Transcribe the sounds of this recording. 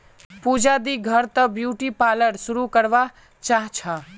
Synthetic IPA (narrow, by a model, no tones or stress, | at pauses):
puːd͡ʒad̪iɡʱəɾt̪ɐbjuːʈipaːləɽsʊɾukəɾʋa | t͡ʃaːɦt͡ʃʰaː